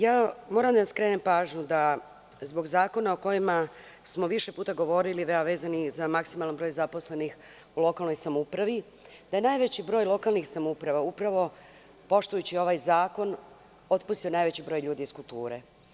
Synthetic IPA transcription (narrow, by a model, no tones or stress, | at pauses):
jaːmo̞ːɾamd̪anaskɾeːnempaːʒɲud̪a | zbo̞ɡzaːko̞naoko̞jima | smo̞ʋiʃepuːt̪aɡo̞ʋo̞ɾiliʋeaʋe̞ːzanizamaksimalˠanbɾojzapo̞sle̞nix | ulˠo̞kalˠno̞jsamupɾaʋi | d̪aje̞naːjʋet͡ɕibɾoːjlˠo̞kalˠnixsamupɾaʋaupɾaʋo̞ | po̞ʃt̪ujut͡ɕio̞ʋajzaːko̞n | o̞t̪pust̪ijonaːjʋe̞t͡ɕibɾo̞ːjʎuːd̪iːskulˠt̪uːɾe